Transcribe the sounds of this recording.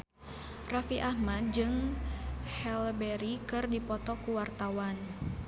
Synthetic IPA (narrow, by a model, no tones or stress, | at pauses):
rafiʔahmad̚d͡ʒɨŋ | hɛlbɛɾikɨrdipɔt̪ɔkuwart̪awan